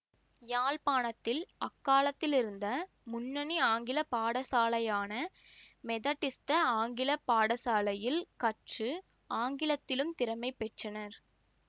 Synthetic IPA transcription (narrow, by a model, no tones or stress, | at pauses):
jaːlpaːnɐt̪ːɪlɐkːaːlɐt̪ːɪlɪɾɯnd̪ɐ | mʊnːɐniaːŋɡɪlɐpaːɽɐsaːlɐjaːnɐmɛðɐʈːɪst̪ɐaːŋɡɪlɐpaːɽɐsaːlɐjɪlkɐʈrɯ | aːŋɡɪlɐt̪ːɪlɯmt̪ɪɾɐmɐɪpːɛʈt͡ʃːɐnɐɾ